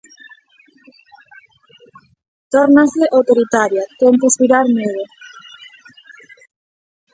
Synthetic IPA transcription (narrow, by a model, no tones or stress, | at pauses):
t̪oɾnaseʔawt̪oɾit̪aɾjat̪emposβiɾaɾmeðo